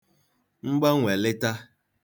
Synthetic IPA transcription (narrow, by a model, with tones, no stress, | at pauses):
ŋ͡m̩˦ɡ͡ba˦ŋʷ˨e˨lɪ˦ta˦